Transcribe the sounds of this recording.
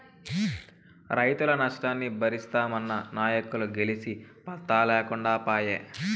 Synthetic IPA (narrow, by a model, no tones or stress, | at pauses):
ɾɐjt̪ulɐnɐʂʈaːnːibʱɐɾist̪aːmɐnːɐnaːjɐkuluɡe̞lisipɐt̪ːaːlɛːkuɳɖaːpaːjeː